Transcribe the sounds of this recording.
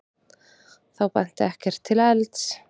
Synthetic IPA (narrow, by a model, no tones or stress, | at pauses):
θawpɛn̥t̪ɪɛhcɛr̥t̪ʰːɪlɛlt̪s